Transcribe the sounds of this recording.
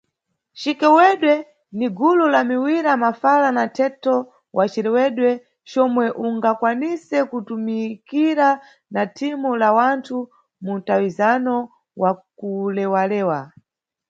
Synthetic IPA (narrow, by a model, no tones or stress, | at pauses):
t͡ʃikɛwɛɗwɛ | niɡululamiwiɾamafalanatʰɛtɔ | wʔat͡ʃiɾɛwɛɗwɛ | t͡ʃɔmwɛʔuŋɡakwanisɛkutumikiɾa | natʰimulawantʰu | muntawizanɔ | wakulɛwalɛːwa